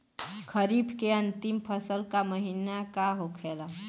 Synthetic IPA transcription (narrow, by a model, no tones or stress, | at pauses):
kʰəɾibkeɐ̃nt̪ɪmpʰəsəlkaməɦiːnakaɦokʰeːla